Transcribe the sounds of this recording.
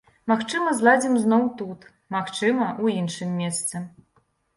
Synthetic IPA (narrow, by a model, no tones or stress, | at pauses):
maxt͡ʂɨmɐzlˠad͡zʲimznɔwt̪ut̪ | maxt͡ʂɨmɐʔuinʂɨmʲːɛst̪sɨ